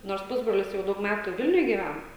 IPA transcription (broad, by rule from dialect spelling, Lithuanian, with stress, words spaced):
noːrs ˈpʊzbroːlʲɪs jɛʊ ˈdɐʊk ˈmʲæːtuː ˈʋʲɪlʲnʲʊj ɡʲiːˈʋʲɛn